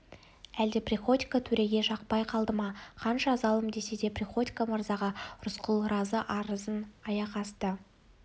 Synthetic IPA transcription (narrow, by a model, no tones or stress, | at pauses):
æld̪eprʲiχo̞t̪ʲi̥kat̪ʰɵɾeɡʲe̞ʃɑq̚pɑjqʰɑlˠd̪əmɑqʰɑnʃɑzɑlˠəmd̪e̞se̞d̪e̞prʲiχo̞t̪ʲi̥kaməɾzɑʁɑɾʊsqʰəlˠɾɑzəʔɑɾəzənɑjɑqɑst̪ə